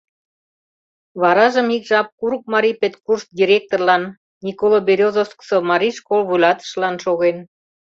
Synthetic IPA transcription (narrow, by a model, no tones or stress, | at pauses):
βɑɾɑʒəmikʒɑp̚kuɾuk̚mɑɾipet̪kurst̪̚d̪ʲiɾʲek̚t̪orlɑnː | ikolobeɾʲozoskə̥somɑɾʲiʃkolβujlɑt̪ə̥ʃlɑnʃoɣen